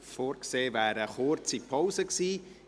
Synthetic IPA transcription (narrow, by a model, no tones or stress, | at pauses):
foːɾkseːvæːɾəχʊɾt͡sipʰɔʊzəksiː